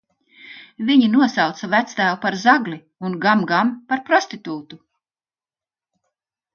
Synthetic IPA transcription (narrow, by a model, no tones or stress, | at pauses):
viɲinuɔsɑwt̪savæt̪st̪æːwˠpaɾzaɡli | unɡamɡampaɾpɾɔst̪it̪uːt̪u